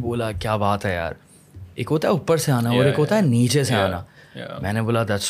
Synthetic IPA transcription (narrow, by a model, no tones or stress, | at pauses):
boːlakjaːbaːt̪ɦɛja̰ːɾ | ḛːkoːt̪aʊpːəɾseaːnaɔːɾeːkoːt̪aniːt͡ʃeseaːnaː | mɛ̃ːneboːlad̪ɐs